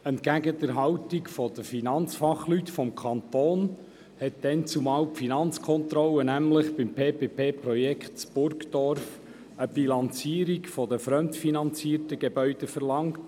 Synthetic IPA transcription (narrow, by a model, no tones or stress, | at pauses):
ɛntkæɡədəɾɦɑʊtikfɔd̥̪əfinɑnt͡sfɑχlytfɔmkʰɑnt̪oːn | hɛt̚d̥̪ɛnt͡sumɑːwpfinɑnt͡skʰɔnt̪ɾɔlːənæmləχb̥ɪmpʰeːpepʰeːpɾɔjɛkχtt͡sb̥ʊɾkd̥̪ɔɾf | əb̥ilɑnt͡siːəɾikfɔd̪əfɾœmtfinɑnt͡siːrtəɡ̥ebœʏd̥əfəɾlɑŋt